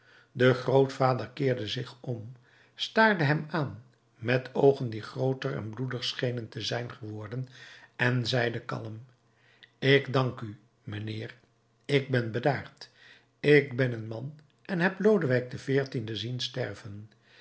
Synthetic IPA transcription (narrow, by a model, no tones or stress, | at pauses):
dəχrowtfaːdərkɪːɹdəzɪχɔm | staːɹdəɦɛmaːn | mɛtʰowχəndiχrowtərɛ̰nbludəɹsχejnəntəzɛjnχəʋɔɹdənɛnzɛjdəkɑ̰ləm | ɪɡdɑŋky | mənɪːr | ɪɡ̚bɛnbədaːɹt | ɪk̚bɛnənmɑn | ɛnɦɛplowdəʋɛjk̚dəvɪːɹtindəzinstɛrvən